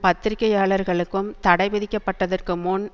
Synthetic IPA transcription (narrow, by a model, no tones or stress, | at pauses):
pɐt̪ːɪɾɪkːɐjaːɭɐɾɣɐɭɯkːɯmt̪ɐɽɐɪʋɐðɪkːɐpːɐʈːɐðɐrkɯmʊn